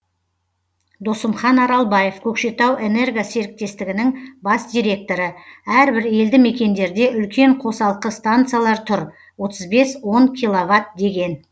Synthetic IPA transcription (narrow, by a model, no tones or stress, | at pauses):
d̪o̞səmχɑnɑɾɑlˠbɑje̞fkʲʰɵkʃe̞t̪ɑwʔe̞ne̞rɡase̞ɾɪk̚t̪e̞st̪ɪɡʲɪnɪŋbɑsd̪ʲijɾʲe̞k̚t̪o̞ɾəæɾbɪɾe̞ld̪ɪme̞kʲe̞nd̪e̞ɾd̪e̞ʔʏlkʲʰe̞ɴqʰo̞sɑlˠəqəst̪ant̪sɨjalˠɑɾt̪ʰʊɾ | wo̞t̪əzbe̞swo̞ŋkʲʰijlˠovat̪̚d̪e̞ɡʲe̞n